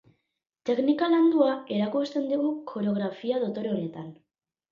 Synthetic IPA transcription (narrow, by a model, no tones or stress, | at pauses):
t̪e̞knikaland̪uae̞ɾakust̪e̞nd̪iɣukʰo̞ɾeo̞ɣ̞ɾafiaðo̞t̪o̞ɾeoɾe̞t̪an